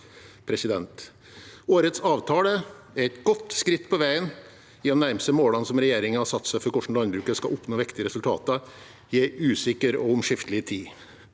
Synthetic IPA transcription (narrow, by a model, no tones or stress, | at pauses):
pʰɾɛsɪd̪ɛnt̪ | oːɾət̪sɑːʋt̪ʰɑːlə | æɾɛt̪ɡɔt̪ːskɾɪt̪ːpʰɔʋæɪən | ɪd̪ɛnnæɾmst̪əmoːlɑnsɔmɾɛjeːɾɪŋəhɑsɑt̪ːsæɪfɔɾkɔʂn̩lɑnbɾʉːkəskɑʔʊpnoːʋɪkt̪ɪəɾɛsʉlt̪ʰɑ̰ːt̪ɑ | jeːʔʉːsɪkːəɾɔ̰ʊmʂɪft̪əlɪt̪ʰiː